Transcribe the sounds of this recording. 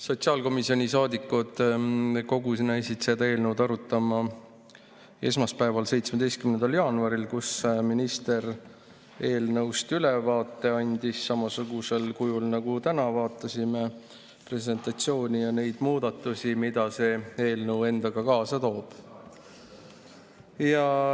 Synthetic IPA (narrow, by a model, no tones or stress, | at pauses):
so̞t̪siɑːlko̞misio̞nʲisɑːd̪ikːˑud̪̥ko̞ɡusnːæijsit̪sed̪ɑe̞ːlnəwd̪ɑɾut̪ːˑɑmɑ | e̞̰s̬mɑspæevɑlse̞jt̪smed̪e̞jst̪kymnend̪̥ɑljɑːnuɑɾilkusminist̪e̞ɾ | e̞ːlnɤwst̪ylevɑːt̪ːe̞ɑnʲd̪̥isːɑmɑsuɡuse̞lkujulnɑɡ̥ut̪ænɑvɑːt̪ːˑɑsime̞ | pre̞s̬e̞nt̪ˑɑt̪sio̞ːnʲijɑne̞jd̪̥muːd̪ɑt̪ːˑusʲimid̪̥ɑse̞e̞ːlnɤwe̞nd̪̥ɑɡ̥ɑkɑːsɑt̪o̞ːb̥ | jɑ